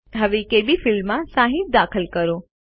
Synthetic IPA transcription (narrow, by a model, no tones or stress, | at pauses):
ɦəʋekebifɪlmːãsãɦĩt̪̚d̪akʰəlkəɾo